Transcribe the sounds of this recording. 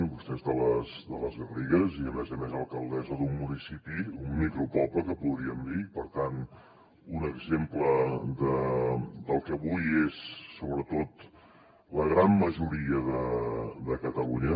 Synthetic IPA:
mbust̪ɛzðələzd̪ələzβəriɣəziəmɛzəmezəlˠkəlˠd̪ɛzəðumːunisipiummikɾupɔpləkəpuðɾiəmd̪iipəɾt̪an | unəɡzempləd̪əd̪əlˠkəβujezːoβɾət̪ot̪ | ləɣɾamməʒuɾiəðəd̪əkət̪əluɲə

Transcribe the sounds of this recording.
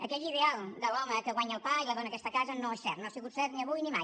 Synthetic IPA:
əkɛʎiðealˠd̪əlɔməkəɣwaɲəlˠpailəðonəːkɛst̪əkazənoesɛɾt̪noasiɣut̪sɛɾt̪niəβujnimaj

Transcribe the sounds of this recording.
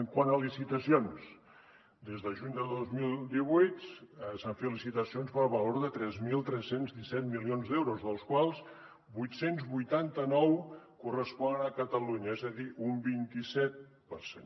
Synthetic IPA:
əŋkwanəlisit̪əsions | d̪ezðəʒuɲd̪əlˠd̪ozmilˠd̪iβujt̪saɱfet̪lisit̪əsionspəlβəloɾðət̪ɾɛzmilˠt̪ɾɛsːenzðisɛt̪̚milionzðewɾuzðəlˠskwalˠs | bujt̪senzβujt̪ant̪ənɔwkurəspɔnənəkət̪əluɲəezəðiʔumbint̪isɛt̪̚ | pəɾsḛn

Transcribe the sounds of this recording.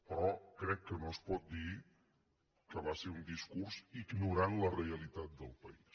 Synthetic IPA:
pɾɔkɾɛkːənospɔt̪̚d̪i | kəβaseɾund̪iskuɾziɡnuɾanləreəlit̪at̪̚d̪əlˠpəis

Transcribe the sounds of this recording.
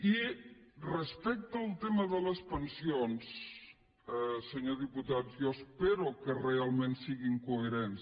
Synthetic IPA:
i | rəspɛk̚t̪əːlˠt̪eməðələspənsions | səɲoðiput̪at̪jɔspeɾukərealˠmẽnsiɣiŋkueɾens

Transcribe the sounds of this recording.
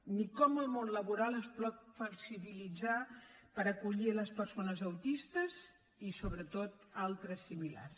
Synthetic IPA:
nikɔməlˠmonləβuɾalˠəsplɔt̪̚fəksiβilid͡zapəɾəkuʎiələspəɾsonəzəwt̪ist̪əz | isoβɾət̪ot̪ | alˠt̪ɾəsimila̰rs

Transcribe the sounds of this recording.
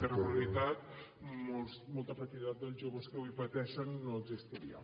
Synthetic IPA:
pəɾβlulit̪at̪ | mosmɔlˠt̪əfət̪iit̪at̪̚d̪əlˠzʒoβəskəwipət̪ɛʃənːoəɡzist̪iɾiə̰

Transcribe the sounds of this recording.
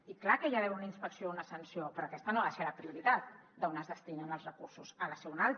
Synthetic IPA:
iklakəjaβɛunəinspəksijounəsənsiopɾoːkɛst̪ənoβaseləpɾiuɾit̪at̪ | d̪əonəzðəst̪inənəlˠzrəkuɾsuzələsɛwnalˠt̪

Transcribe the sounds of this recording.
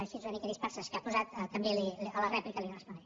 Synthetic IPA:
ʃizuanikeɾispɛɾsəskapuzat̪ət̪əmbeliələrɛplikəliarəspuni

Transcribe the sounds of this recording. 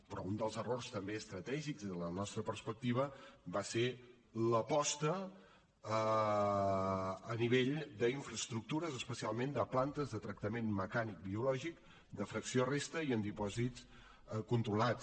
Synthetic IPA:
pɾɔund̪əlˠzərorst̪əmbeəst̪ɾət̪ɛʒikzələnɔst̪ɾəpərspək̚t̪iβ̞əbase | ləpɔst̪ə | niβ̞eʎd̪əiɱfɾəst̪ɾuk̚t̪uɾəzəspəsialˠmend̪əplant̪əzðət̪ɾək̚t̪əmenməkanik̚biulɔʒik | d̪əfɾəksiorest̪əiənd̪ipɔzitt͡s | kunt̪ɾulat͡s

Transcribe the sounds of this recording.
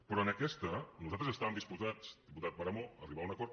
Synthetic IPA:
pɾɔənəkɛst̪ənuzalt̪ɾəzəst̪aβəmd̪ispuzat͡sd̪iput̪at̪̚pəɾəmoəriβaunəkɔɾt̪

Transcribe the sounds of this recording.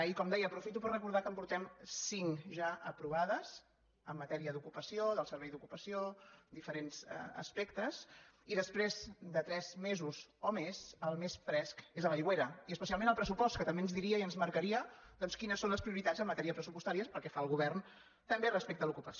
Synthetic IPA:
ikɔmd̪ɛjəːpɾufit̪upəɾrəkuɾðakəmpuɾt̪ɛmsiŋʒaʔəpɾuβ̞aðəz | əmːət̪ɛɾiəðukupəsioðəlˠsəɾβɛjðukupəsiod̪ifəɾenz̥̰ə̰spekt̪əziðəspɾezd̪ət̪ɾɛzmezuzomezəlˠmesfɾɛskezəβəjɣweɾəiəspəsialˠmẽnəlˠpɾəsupɔst̪kət̪əmbeənzðiɾiəiənzməɾkəɾiəd̪ɔnskinəsːonləspɾiuɾit̪ad͡zzəmːət̪ɛɾiəpɾəsupust̪aɾiəpəɾˠkɛfaəlˠɣuβ̞ɛrn | t̪əmberəspek̚t̪əlukupəs

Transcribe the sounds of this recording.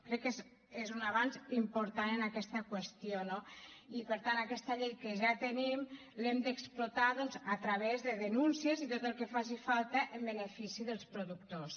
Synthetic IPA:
kɾɛkːez | ezunaβanzimpuɾt̪anənakɛst̪əkwəst̪ijonoipəɾt̪anakɛst̪əʎejkəʒat̪ənim | lemd̪əksplot̪aðɔnzat̪ɾəβ̞ɛzðəðənunsiəzit̪ot̪əlˠkəfazifalˠt̪əʔəmbənəfisiðəlˠspɾuðuk̚t̪os

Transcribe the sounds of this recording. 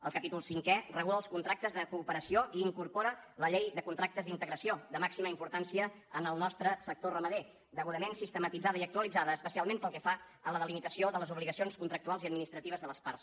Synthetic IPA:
əlˠkəpit̪ulˠsiŋkɛrəɣuləlˠskunt̪ɾak̚t̪əzðəkuːpəɾəsioʔiːŋkurpoɾələʎejðəkunt̪ɾak̚t̪əzðint̪əɣɾəsiod̪əmaksiməimpuɾt̪ansiə | ənəlˠnɔst̪ɾəsək̚t̪orəməðe | d̪əɣuðəmensist̪əmət̪id͡zaðəiək̚t̪uəlid͡zaðəːspəsialˠmempəlˠkɛfa | ələðəlimit̪əsioðələzuβliɣəsionskunt̪ɾək̚t̪ualˠziəd̪̚minist̪ɾət̪iβ̞əzðələspars

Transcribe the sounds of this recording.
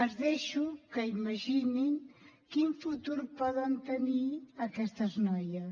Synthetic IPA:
əzðɛʃukəimɐʒiniŋkiɱfut̪uɾpɔðənt̪əniəkɛst̪əznɔjə

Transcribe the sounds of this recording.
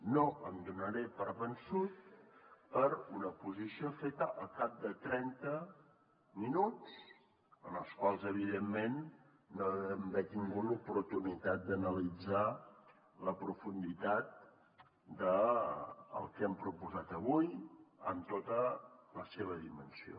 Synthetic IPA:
noʔənd̪unəɾepəɾβənsut̪̚pəɾunəpuzisiofet̪əʔəlˠkap̚d̪ət̪ɾɛnt̪ə | minut͡s | ənəlˠskwalˠzəβ̞iðemːenː | oɛmbɛt̪iŋɡulupuɾt̪unit̪at̪̚d̪ənəlid͡za | ləpɾufund̪it̪at̪̚ | d̪ə | ə̰lˠkɛmpɾupuzat̪əβujə̰mt̪ot̪ələseβ̞əðimənsio̰

